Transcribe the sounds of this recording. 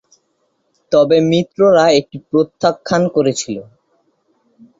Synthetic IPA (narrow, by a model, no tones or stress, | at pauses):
t̪ɔbemit̪ːɾoɾaek̚ʈipɾot̪ʰːakʰːankoɾet͡ɕʰilo